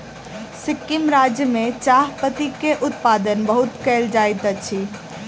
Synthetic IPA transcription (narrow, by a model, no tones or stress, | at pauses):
sɪkːimɾad͡ʒjəmẽt͡ʃaɦpət̪ikeʔʊt̪pad̪ənbəɦut̪kɛld͡ʒajt̪ət͡ʃʰi